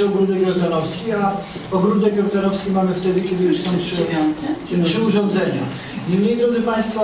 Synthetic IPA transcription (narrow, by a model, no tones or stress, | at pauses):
ɔɡɾud̪ɛkʲjɔɾd̪anɔfskʲia | ɔɡɾud̪ɛkjʲɔɾd̪anɔfskʲimamɘft̪ɛd̪ɘkʲɛd̪ɘjuʂsɔ̃w̃tʂɘkʲɛtʂɘuʐɔ̃nd̪zɛɲa̰ | ɲɛmɲejd̪ɾɔd̪zɘpaj̃st̪fa